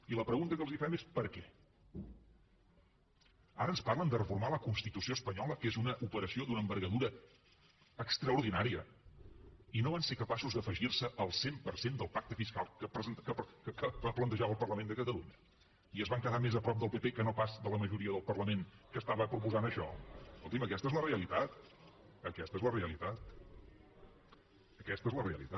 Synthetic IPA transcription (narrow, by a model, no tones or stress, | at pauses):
iləpɾəɣunt̪əkəlˠzifɛmespəɾkɛ | aɾənsparlənd̪ərəfuɾmaləkunst̪it̪usioəspəɲɔləkezunəʔupəɾəsiod̪unəːmbəɾɣəðuɾəː | kst̪ɾəuɾðinaɾiə | inoβansekəpasuzd̪əfəʒirsəʔəlˠsempəɾsend̪əlˠpak̚t̪əfiskalˠkəpɾzəkəkəkəbaplənt̪əʒaβəlˠpərləmẽnd̪əkət̪əluɲə | iəzβaŋkəðamezəpɾɔp̚d̪əlˠpepekənopazd̪ələməʒuɾiəðəlˠpərləmenkəst̪aβəpɾupuzanəʃɔulˠt̪iməkɛst̪əezləreəlit̪at̪̚ | əkɛst̪əezləreəlit̪at̪̚ | əkɛst̪əezləreəlḭt̪a